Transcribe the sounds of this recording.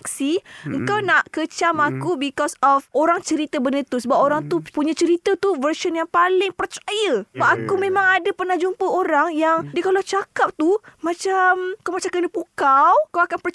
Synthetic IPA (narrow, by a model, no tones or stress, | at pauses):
ksiəŋkawnaʔkət͡ʃamakubikɔsɔfʔoɾaŋt͡ʃəɾit̪əbənət̪usəbap̚oɾaŋt̪upuɲãt͡ʃəɾit̪ət̪uvərʃənjaŋpalɪŋpərt͡ʃajəbaakumẽmãŋadapərnahd͡ʒumpəoɾaŋjaŋdiəkalawt͡ʃakap̚t̪umãt͡ʃamkawmat͡ʃamkənəpukawkawakanpər